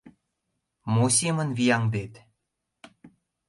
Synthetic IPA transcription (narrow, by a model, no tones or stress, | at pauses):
mosʲemə̆nvijɑŋd̪et̪